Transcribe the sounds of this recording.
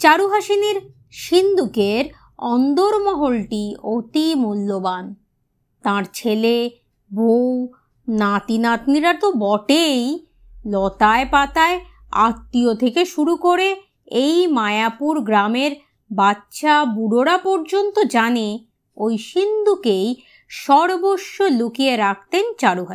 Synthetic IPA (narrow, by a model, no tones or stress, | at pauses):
t͡ɕaɾuɦaʃineɾ | ʃind̪ukeɾ | ɔnd̪oɾmɔɦolʈiot̪imulːoban | t̪ãɾt͡ɕʰele | bʱow | nat̪inat̪niɾaɾt̪obɔʈej | lɔt̪aepat̪ae | a̰t̪ːiot̪ʰekeʃuɾukoɾe | ejmaeapuɾɡɾameɾ | batːɕabuɽoɾapɔɾd͡ʑont̪od͡ʑane | ojʃind̪ʱukej | ʃɔɾboʃːolukieɾak̚ʰt̪ent͡ɕaɽuɦa